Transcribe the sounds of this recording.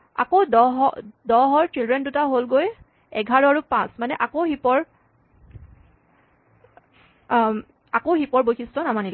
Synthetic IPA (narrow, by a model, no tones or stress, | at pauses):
a̰kodɔɦɔdɔɦɔɹtɹildɹɛndutaɦolɡoj | ɛɡʱaɹɔaɹupãsmanɛʔakoɦipɔɹ | akowxipɔɹbojxʰistɔnamanilɛ